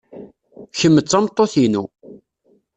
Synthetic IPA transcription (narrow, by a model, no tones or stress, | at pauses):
çəmːət͡sːɑmt̪ˤːoθinu